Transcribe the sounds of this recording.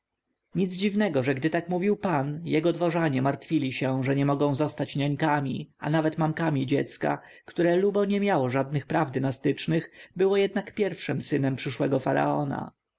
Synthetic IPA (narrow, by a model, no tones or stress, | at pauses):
ɲid̪zd͡ʑivnɛɡɔʐɛɡd̪ɘt̪akmuvʲiwpanjɛɡɔd̪vɔʐaɲɛmaɾt̪fʲilʲiɕɛʐɛɲɛmɔɡɔ̃w̃zɔst̪at͡ɕɲaɲkamʲia̰navɛt̪mamkamʲid͡ʑɛt̪ska̰ | kt̪uɾɛlubɔɲɛmʲjawɔʐad̪̚nɘxpɾavd̪nast̪ɘt͡ʂnɘxbɘwɔjɛd̪nakpʲjɛɾfʂɛmsɘnɛmpʂɘʂwɛɡɔfaɾa̰ɔna̰